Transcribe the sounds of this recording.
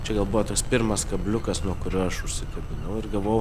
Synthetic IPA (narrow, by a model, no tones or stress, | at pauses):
t͡ʃʲɛɡɐlˠbʊʋɔt̪oːkspʲɪɾmɐskɐbʲlʲʊkɐsnuɔkʊɾʲuɔɐʃʊʃʲsʲɪkɐbʲɪnɐʊɪɾɡɐlˠʋojʊ